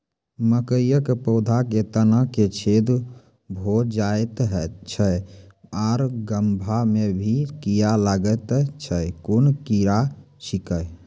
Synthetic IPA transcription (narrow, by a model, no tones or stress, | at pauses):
məkəjəkpɔd̪ʱaket̪ənəket͡ʃʰed̪ | bʱod͡ʒajt̪ɦɛt͡ʃʰə | aɾɡəmbʱamebʱikijalaɡət̪t͡ʃʰəkunkiɾa | t͡ʃikəj